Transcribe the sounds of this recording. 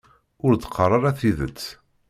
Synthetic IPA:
ʊɾd̪qʰːərˤɑɾæθiðə̰t͡sː

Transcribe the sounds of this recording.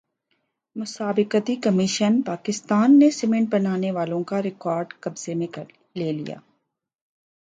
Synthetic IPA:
mʊsaːbɪqət̪ikɐmɪʃənpaːkɪst̪aːnːesɪmɛ̃ɳʈ̚bɐnaːneʋaːlõkaɾɪkɔːɾɖkɐbz̥emẽ | leːlḭja̰ː

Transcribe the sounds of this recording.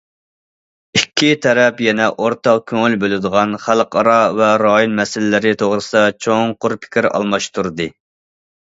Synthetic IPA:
ikʲʰːit̪ʰɛɾɛpjɛnɛʔoɾt̪ɑqkʲʰøŋylbølɪd̪əʁɑnχælˠqʰɑɾɑvɛɾɑjonmɛsɪlɪːɪɾɪt̪ʰoʁɾɨsɨd̪ɑt͡ʃʰoŋqʊɾpʰɪ̥kʲiɾɑ̰lˠmɑʃt̪ʰuɾd̪ɨ

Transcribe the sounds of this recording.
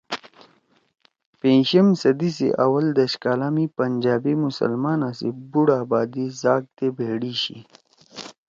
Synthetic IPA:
pẽːnɕɐmsɐd̪is̬ḛʔawɐld̪ɐʃkaːlaːmipɐnd͡ʒaːbimusə̰lmaːnasebuɽaːbaːd̪izaːɡ̚t̪ebeːɽiɕḭ

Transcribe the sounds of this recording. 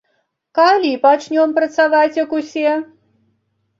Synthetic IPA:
kalʲipat͡ʂnʲɔmpɾɐt̪savat͡sʲjɐkusʲɛ

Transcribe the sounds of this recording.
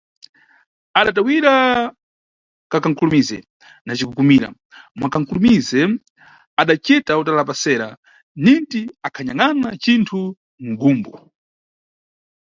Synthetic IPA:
aɗatawiɾa | kakaŋkʰulumizɛ̰ | nat͡ʃikukumiɾa̰ | mwakaŋ̩kʰulumizɛ | aɗat͡ʃitautalapasɛɾa̰ | nintiakʰaɲaŋanat͡ʃintʰu | ŋ̩ɡuːmbɔ

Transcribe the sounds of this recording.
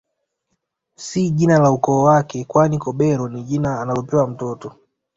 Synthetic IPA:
siʄinalaukɔːwakɛkwanikɔɓɛɾɔniʄinaːnalɔpɛwam̩tɔtɔ

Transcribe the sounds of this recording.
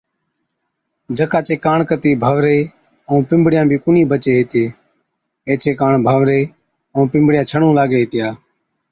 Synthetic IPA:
d͡ʒʱəkaːt͡ʃeːkaːɳkət̪iːbʱəʋɾeː | əũːpɪmbɽɪjãːbʱiːkʊniːbət͡ʃeːɦet̪eː | eːt͡ʃeːkaːɳbʱəːʋɾeː | ə̃ːpɪmbɽɪjãːt͡ʃʰəɽũːlaːɡeːɦɪt̪ɪjaː

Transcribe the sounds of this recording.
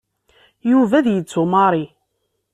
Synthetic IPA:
juvæðjət͡sːumɑɾˤi

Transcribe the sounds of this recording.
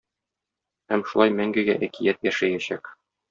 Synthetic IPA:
hæmʃulˠɑjmæŋɡɘ̆ɡæʔækijæt̪jæʃæjæɕæk

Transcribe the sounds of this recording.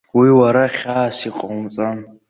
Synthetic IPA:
wiwaɾaχʲaːsiqʼmt͡sʼan

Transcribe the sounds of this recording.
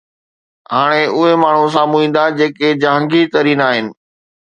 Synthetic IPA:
ɦaːɽ̃eʔʊɦemaːɳ̤ũs̬aːmũĩːn̆d̪ad͡ʑeːked͡ʑãːŋɡit̪ɐɾiːnaːɦɪnɪ̆

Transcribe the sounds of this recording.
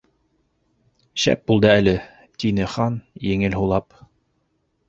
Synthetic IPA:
ɕæ̰p̚bulˠd̪ɤælɘ | t̪inɘχɑnjɘ̆ŋɘlɦulˠɑp

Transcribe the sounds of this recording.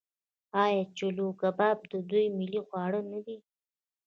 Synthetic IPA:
ɑjɑt͡ʃoluɡabɑb̚d̪əd̪ujmɪliɣwɑɽənadi

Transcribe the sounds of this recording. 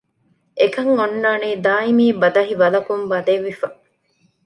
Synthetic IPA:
ʔekɐŋonːaːneːd̪aːimiːbɐd̪ɐɦiʋɐlɐkumbɐd̪eʋːifɐ

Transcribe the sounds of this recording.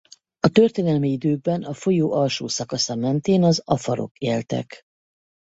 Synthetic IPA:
ɒt̪ø̞rt̪eːnɛlmiid̪øːɡ̚bɛnɒfo̞joːʔɒlʃoːsɒkɒsɒmɛnt̪eːnɒzɒfɒɾo̞̰keːlt̪ɛ̰k

